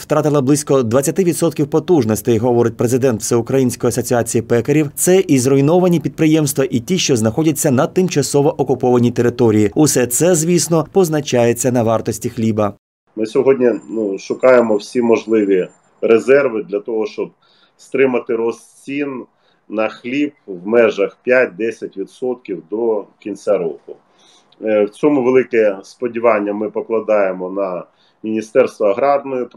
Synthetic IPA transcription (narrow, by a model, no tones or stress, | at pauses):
wt̪ɾɑt̪ɪlˠɐblˠɪsʲkɔd̪ʋɐt͡sʲːɐt̪ɪʋʲid̪sɔt̪kʲiwpɔt̪uʐnɔsʲt̪ɪjɦɔʋɔɾɪt̚ʲpɾe̞zɪd̪ɛnt̪wsɛʊkɾɐjinʲsʲkɔjiɐsɔt͡sʲiɑt͡sʲijipɛkeɾʲiwt̪sɛʔizrɔjnɔʋɐnʲipʲid̪̚pɾɪjɛmst̪ʋɐʔitʲiʃt͡ʃɔznɐxɔdʲɐt͡sʲːɐnɐt̪ɪmt͡ʃɐsɔʋɔʔɔkʊpɔʋɐnʲit̪e̞ɾɪt̪ɔɾʲijiʊsɛt̪sɛzʋʲisnɔpɔznɐt͡ʃɑjet͡sʲːɐnɐʋɑrt̪ɔsʲtʲixlʲibɐ | mɪsʲɔɦɔdʲnʲinuʃʊkɑjemɔwsʲimɔʒlˠɪʋʲi | ɾezɛrʋɪd̪lʲɐt̪ɔɦɔʃt͡ʃɔb̚ | st̪ɾɪmɐt̪ɪɾɔsʲt͡sʲinː | ɐxlʲib̚wmɛʒɐxpʲjat̚ʲd̪ɛsʲɐtʲʋʲid̪sɔt̪kʲiwd̪ɔkʲinʲsʲaɾɔkʊ | wt͡sʲɔmʊʋelˠɪkɛspɔdʲiʋɑnʲːɐmɪpɔklˠɐd̪ɑjemɔnɐ | mʲinʲist̪ɛrst̪ʋɔɐɦɾɑrnɔjɔp